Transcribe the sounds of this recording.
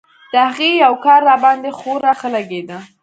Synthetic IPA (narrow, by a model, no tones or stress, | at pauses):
d̪̥əhaɣejawkɑɾːɑbɑnd̪exoɾaxəlaɡed̪a